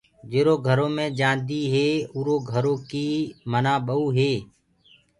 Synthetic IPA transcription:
d͡ʒeːɾoːɡʱəɾõːmẽːd͡ʒãːnd̪iːɦeːuːɾoːɡʱəɾõːkiːmənaːɓəuːɦeː

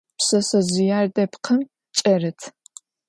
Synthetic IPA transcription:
psɐsɐzɪjaːrdɐpqʰɐm | t͡ʃʼɐrɨtʰ

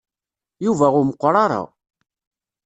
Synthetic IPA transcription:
juvæʁʊməqːɾˤɑɾˤɑ̰

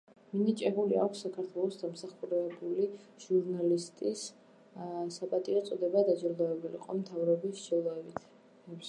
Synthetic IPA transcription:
minit͡ʃʼɛbulia̰kʰʷsːakʰaɾt̪ʰwɛlˠɔsd̪amsaχuɾɛbuliʒ̥uɾnalist̪ʼis | sapʼat̪ʼiɔt̪sʼɔd̪ɛbad̪ad͡ʒilˠd̪ɔɛbulḭqʼɔmt̪ʰavɾɔbiʃd͡ʒɛlˠɔɛbit̪ʰ | ɛps

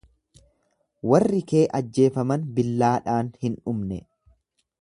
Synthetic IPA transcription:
wɐrːɪke̞ːʔɐd͡ʒːe̞ːfɐmɐnbɪlːaːᶑaːnhɪnᶑʊmnɛ̰

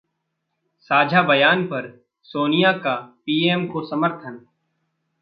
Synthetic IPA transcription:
saːd͡ʒʱabɐjaːnpɐɾ | soːnijakapiːeːmkosɐməɾt̪ʰən

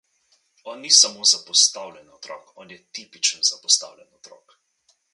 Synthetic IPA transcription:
ɔːnːisamoːzapɔst̪aːwlʲjɛnɔt̪ɾɔ̰ːkɔːnjɛt̪ipit͡ʃənzapɔst̪a̰wlʲɛnɔt̪ɾɔ̰ːk

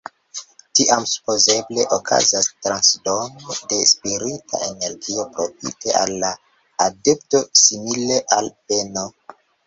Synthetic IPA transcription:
tiʔamsu̥po̞ze̞ble̞ʔokʰa̰zastɾansdo̞node̞spiɾitʰa̰ʔe̞ne̞ɾɡio̞pɾo̞fḭte̞ʔa̰lːaː | de̞pto̞simile̞ʔalpe̞no

